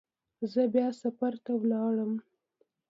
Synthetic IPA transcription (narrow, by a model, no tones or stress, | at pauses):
zəbjɑsafaɾt̪awlɑɽəm